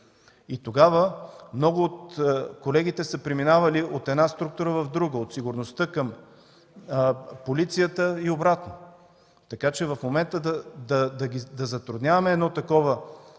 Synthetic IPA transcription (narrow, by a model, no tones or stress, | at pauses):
it̪oɡavəmnɔɡʊːt̪kolɛɡʲit̪ɛsəpɾiminavɐliʔot̪ɛd̪nast̪ɾukt̪uɾəvəvd̪ɾuɡəot̪siɡʊɾnost̪ɤkəm | polit̪sijət̪əiobɾat̪no | t̪ɐkat͡ʃɛvɐfmomɛnt̪əd̪d̪ɐd̪ɐɡʲid̪ɐzɐt̪ɾʊd̪nʲjavɐmɛɛːd̪nɔt̪ɐkɔvə